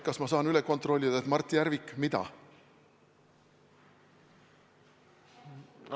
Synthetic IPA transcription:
kɑsmɑsɑːnyleko̞nt̪ro̞lʲːid̪̥ɑet̪mɑrt̪ːˑijæɾvikːmid̪ɑ̰

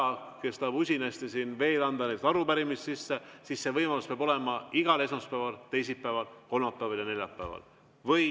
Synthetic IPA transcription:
ke̞st̪ɑːbusʲinɑst̪esinve̞ːlɑnd̪ɑneːt̪ɑɾupæɾimist̪sisːesisːe̞vɤjmɑluspeɑbo̞le̞mɑiɡ̥ɑle̞smɑspæːvɑlt̪e̞jsit̪̚pːæːvɑlko̞lmɑpːˑæːvɑljɑne̞lʲjɑpːæ̰vɑ̰l | vɤ

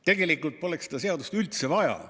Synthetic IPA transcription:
t̪e̞ɡe̞likːˑult̪̚po̞leksed̪̥ɑse̞ɑd̪ust̪ylt̪se̞vɑjɑ̰

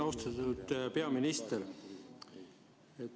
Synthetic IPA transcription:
ost̪ɑt̪ːud̪̥pe̞ɑminist̪el | e

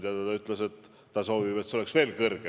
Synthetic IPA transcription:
d̪ʲɑd̪ɑt̪ɑyt̪ːˑlese̞t̪ː | ɑso̞ːvib̥et̪ːseoleksve̞ːlkɤrɡ̥e

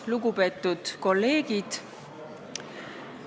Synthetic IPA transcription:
luɡupe̞ːt̪ːˑud̪̥ko̞lːe̞ːɡid̪̥

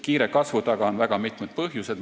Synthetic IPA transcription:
kiːɾekɑsvut̪ɑɡ̥ɑonvæɡ̥ɑmit̪ˑmed̪̥̚pɤɦjuse̞d̪̥

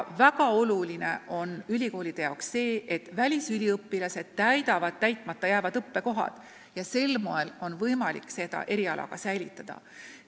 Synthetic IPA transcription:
væɡ̥ɑo̞luline̞ʔo̞nylʲiko̞ːlid̪̥e̞jɑwksːe̞ːet̪ːvælʲisylʲiɤpːilɑse̞d̪̥̚t̪æjd̪ɑvɑd̪̥̚t̪ːæjt̪ˑmɑt̪ːˑɑjæːvɑd̪ɤpːe̞ko̞ɦɑ̰d̪̥ | jɑse̞lmo̞e̞lo̞nvɤjmɑlḭkːse̞d̪̥ɑ̰ʔe̞ɾiɑlʔɑ̰ɡ̥ɑsæjlit̪ːˑɑd̪̥ɑ̰

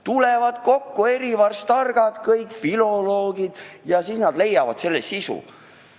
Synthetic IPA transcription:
t̪ulevɑd̪̥ko̞kːue̞ɾivɑrst̪ɑrɡ̥ɑd̪̥kɤjkfilo̞lo̞ːɡid̪̥jɑsiːsnɑd̪̥le̞jːɑvɑ̰d̪se̞lːesisṵ

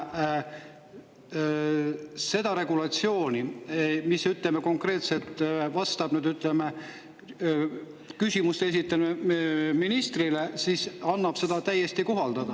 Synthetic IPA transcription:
se̞d̪̥ɑɾe̞ɡulɑt̪sio̞ːnimisːyt̪lemeko̞ŋkre̞ːt̪se̞lt̪ːˑvɑst̪ɑb̥nyːd̪yt̪ˑleme | kysʲimust̪es̬it̪ˑːeneminist̪rile̞sisɑnːɑb̥se̞d̪̥ɑt̪æje̞st̪ikoɦɑld̪̥ɑd̪̥ɑ

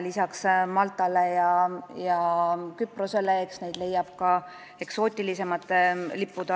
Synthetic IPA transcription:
lisɑksmɑlt̪ːˑɑlejɑjɑkyprose̞leeksne̞jd̪le̞jːɑb̥kɑ | e̞kso̞ːt̪ʲːˑilise̞mɑt̪ːˑlipːud̪̥ɑ

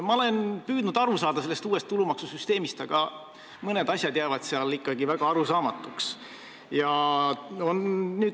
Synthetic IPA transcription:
mɑole̞npyːd̪nud̪̥ɑɾusɑːd̪̥ɑselːest̪uːe̞st̪ːulumɑksusyst̪e̞ːmist̪ɑɡ̥ɑ | mɤne̞d̪ɑsʲjɑd̪jæːvɑd̪̥seɑlikːɑɡivæɡ̥ɑɑɾusɑːmɑt̪ːˑuks | jɑ | onːyːd̪

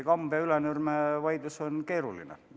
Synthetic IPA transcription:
kɑmbɑylenyrmeʋɑjd̪̥usonke̞ːɾulḭnḛ

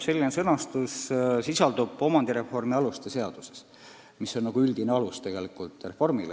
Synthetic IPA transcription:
se̞lːinesɤnɑst̪ussisɑld̪ub̥o̞mɑnd̪̥iɾe̞fo̞rmiɑlust̪ese̞ɑd̪̥use̞s | misːo̞nnɑɡ̥uyld̪̥ineɑlust̪e̞ɡ̥e̞likːˑult̪re̞fo̞rmile

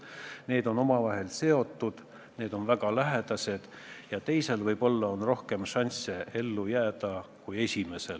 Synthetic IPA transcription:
ne̞ːd̪o̞no̞mɑvɑɦe̞lse̞o̞t̪ːˑud̪̥ | ne̞ːd̪̥o̞nvæɡ̥ɑlæɦed̪̥ɑse̞d̪̥ | jɑt̪e̞jse̞lvɤjb̥o̞lːɑo̞nro̞hke̞mʃɑnʲsee̞lːujæːd̪ɑ | kuje̞sʲime̞se̞l

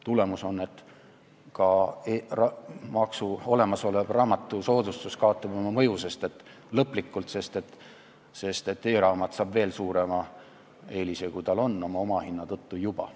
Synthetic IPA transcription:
t̪ule̞muso̞nːe̞t̪ | kɑrɑmɑksuo̞le̞mɑso̞leb̥rɑːmɑt̪ˑːuso̞ːd̪ust̪uskɑot̪ːˑɑbo̞mɑmɤjuse̞st̪e̞t̪ː | lɤpˑlikːˑult̪se̞st̪et̪ː | se̞st̪e̞t̪ːeːɾɑːmɑt̪sɑːbve̞ːlsuːɾe̞mɑ | e̞ːlisekujt̪ɑlo̞nːo̞mɑo̞mɑhinːɑt̪ɤt̪ːujub̥ɑ̰

